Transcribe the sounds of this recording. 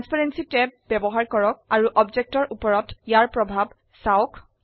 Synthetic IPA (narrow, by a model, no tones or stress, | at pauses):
anspaɹensitɛbɛbɔɦaɹkɔɹɔk̚aɹuʔɔbd͡ʒek̚tɔɹʔupɔɹɔtjaɹpɹɔbʱab | saok